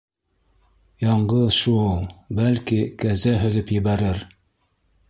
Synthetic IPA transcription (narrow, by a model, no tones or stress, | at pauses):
jɑɴɢɤðʃulˠbælkikæzæɦɵ̆lɵpjɘ̆βæɾɘɾ